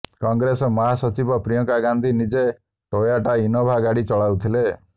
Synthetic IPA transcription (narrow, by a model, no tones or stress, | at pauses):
kɔŋɡɾesɔmɔɦasɔt͡ʃibɔpɾijɔŋkaɡand̪ʱinid͡ʒe | ʈojaʈainɔbʱaɡaɽit͡ʃɔɭawt̪ʰile